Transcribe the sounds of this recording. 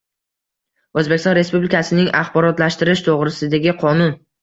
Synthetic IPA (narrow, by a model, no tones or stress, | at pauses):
ɵzbekʲɪst̪ɒnɾe̞spublɪikʰasɪnɪŋaχbɒɾɒt̪laʃt̪ɪɾɪʃt̪ʰoʁɾɪsɪd̪aɡʲɪqʰɒnʊn